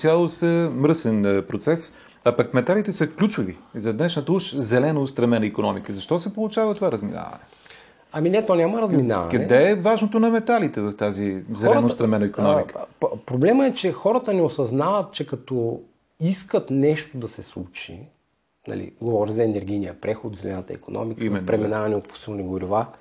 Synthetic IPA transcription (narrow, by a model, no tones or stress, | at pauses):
sjalˠosəmɾɤsɛnpɾot̪sɛs | ɐpɐkmɛt̪alit̪ɛsəklʲut͡ʃʊvizɐd̪nɛʃnət̪əuʃzɛlɛnoːst̪ɾɐmɛnəikonɔmikəzɐʃt̪ɔsɛpolˠʊt͡ʃavət̪ovaɾəzmḭna̰vɐ̰nɛ | ɐminɛt̪ɔnʲaməɾɐzmina̰vɐ̰kɐnɛd̪ɛɛvaʒnot̪onɐmɛt̪alit̪ɛvɐft̪azizɛlɛnst̪ɾɐmɛnɐikonɔmikpɾoblɛməɛt͡ʃɛxɔɾət̪ənɛosɐznavɐt̪̚t͡ʃɛkɐt̪ɔ | iskət̪nɛʃt̪od̪ɐsɛslˠut͡ʃḭ | nɐ̰lḭɡovɔɾʲizɐɛnɛɾɡʲijnijəpɾɛxod̪zɛlɛ̰nɐt̪ə̰ḭkonɔ̰mikimɛnːpɾɛminavɐnɛot̪fo̥silˠniɡoɾiva